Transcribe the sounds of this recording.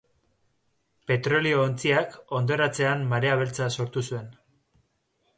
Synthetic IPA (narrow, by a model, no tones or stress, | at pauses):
pe̞t̪ɾo̞lio̞ːnt͡siako̞nd̪o̞ɾat͡se̞anmaɾe̞aβ̞e̞lt͡saso̞ɾt̪usue̞n